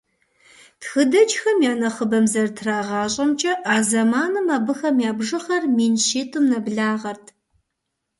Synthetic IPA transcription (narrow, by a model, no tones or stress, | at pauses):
txɨdɐt͡ʃʼxɐmjaːnɐχəbɐmzɐrtʰraːʁɑːɕʼɐmt͡ʃʼɐʔaːzɐmaːnɨmaːbɨxɐmjaːbʐɨχɐrmiːnʃiːtʼɨmnɐbɮaːʁɐrtʰ